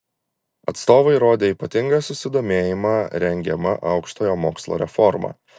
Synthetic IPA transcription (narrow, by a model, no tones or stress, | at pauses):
ɐt̪st̪oːʋɐɪɾoːd̪ʲeːiːpɐt̪ʲɪŋɡɐːsʊsʲɪd̪oːmʲeːjɪmɑːɾʲɛŋʲɡʲɛmɐ̰ʔɐʊkʃt̪oːjoːmoːkslˠo̰ːɾʲɛ̰fɔɾmɑ̰ː